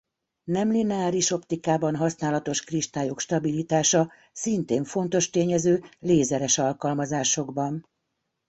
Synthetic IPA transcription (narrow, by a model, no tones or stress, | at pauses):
nɛmlinɛaːɾiʃo̞pt̪ikaːbɒnɦɒsnaːlɒt̪o̞ʃkriʃt̪aːjokʃt̪ɒbilit̪aːʃɒ | sint̪eːɱfo̞nt̪o̞ʃt̪eːɲɛzøːleːzɛɾɛʃɒlkɒlmɒzaːʃo̞ɡbɒn